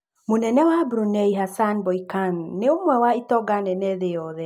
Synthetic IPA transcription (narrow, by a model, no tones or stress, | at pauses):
monɛnɛwabɾunɛiɦasanbɔikanːeomwɛwaitɔɡanɛnɛðejɔðɛ